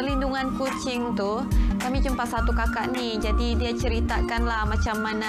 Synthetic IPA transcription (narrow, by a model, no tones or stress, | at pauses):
linduŋankut͡ʃɪŋt̪u | kamit͡ʃəmpasat̪ukakaʔnid͡ʒadidiat͡ʃəɾit̪akanlahmat͡ʃamːana